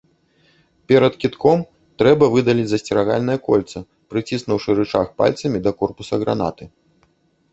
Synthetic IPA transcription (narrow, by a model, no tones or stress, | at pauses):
pʲɛɾɐt̪kʲit̪kʰɔm | t̪ɾɛbɐvɨd̪ɐlʲid͡zʲzɐsʲt͡sʲɛɾaɣa̰lʲnɐjɐkɔlʲt̪sɐ | pɾɨt͡sʲisnuwʂɨɾɨt͡ʂaxpa̰lʲt̪sɐmʲid̪ɐkɔrpusɐɣɾa̰na̰t̪ɨ